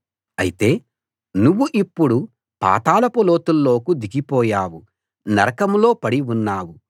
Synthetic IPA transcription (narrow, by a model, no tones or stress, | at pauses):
ɐ̰jit̪e̞ː | nuʋːuʔipːuɽu | pa̰ːt̪aːlɐpolo̞ːt̪ulːo̞ːkud̪iɡipɔːjaːwu | nɐɾɐkɐmlo̞ːpɐɽiunːaːwu